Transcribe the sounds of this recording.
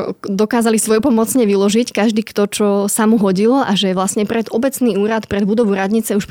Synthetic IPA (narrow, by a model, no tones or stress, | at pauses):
d̪ɔkaːzalisʋɔjpɔmɔt͡sɲɛʋilɔʒickaʒd̪iːkt̪ɔt͡ʃɔsamuɦɔɟilɔʔaʒɛʋlasɲɛpɾɛd̪ɔbɛt͡sniːuːɾat̪pɾɛd̪bud̪ɔʋuɾad̪ɲit͡sɛuʃ